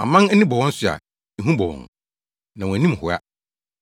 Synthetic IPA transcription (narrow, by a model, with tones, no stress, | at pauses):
a̰˨mã˦n˦nɪ̃˦bɔ˨wɔ̃˦n̩˦sʊ˨a̰˨ | i˨ɦũ˦bɔ˨wɔ̰̃˨n | nã˨w̃æ˨nĩ˦m˨hʊ˨a̰˦